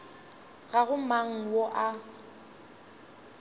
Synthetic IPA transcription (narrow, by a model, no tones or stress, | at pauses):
ɣaɣʊmaŋ̩woʔa